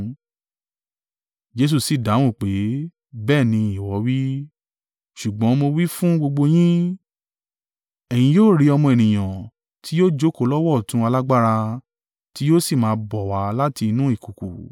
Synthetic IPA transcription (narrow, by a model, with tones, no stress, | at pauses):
d͡ʒe˧s̬u˧˨si˨da˨˦w̃ũ˦˨k͡pe˨˦ | bɛː˦˨nĩ˧i˨wɔ˨˧˦wi˦ | ʃu˨ɡ͡bɔ̃˨˦mo˧wi˦fũ˦ɡ͡bo˧ɡ͡bo˧j̃ĩ˦ | ɛ˨j̃ĩ˧joː˦˨ɾi˨˧ɔ˧mɔ̃˧ɛ˨nĩ˨j̃ã˨ | tʰi˨˦joː˦˨d͡ʒo˦ko˨˧˨lɔ˦wɔ˦˨tũ˧˦a˧la˦ɡ͡ba˦ɾa˧ | ti˨˦joː˦si˦˨mãː˨˦bɔ˨wa˨˦la˦ti˧nũ˦i˦˨ku˨kṵ˨